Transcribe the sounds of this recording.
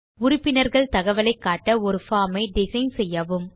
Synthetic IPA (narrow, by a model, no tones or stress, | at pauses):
ʊɾʊpːɪnɐɾɣɐɭt̪ɐɣɐʋɐlɐɪkːaːʈːɐɔɾɯfaːmɐɪɖɪsɐɪnsɛjːɐːʋɯm